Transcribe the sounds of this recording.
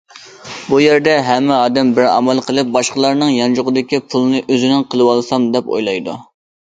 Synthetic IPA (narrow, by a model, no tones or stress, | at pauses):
bujeɾd̪ɛɦɛmːɪɑːd̪ɛmbɪɾɑ̰mɛlˠqʰəlˠɨp̚bɑʃqəlˠɑɾnɨŋjɑnd͡ʒʊʁəd̪ɪkʲipʰulˠɨnɨʔøzynɪnqʰəlˠɨwɑlˠsɑmd̪ɛpo̰jlˠɑjd̪ṵ